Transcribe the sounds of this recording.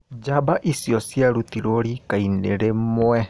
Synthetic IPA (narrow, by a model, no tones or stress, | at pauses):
d͡ʒabaʔisjɔsjaɾutiɾɔɾikaineɾemwɛ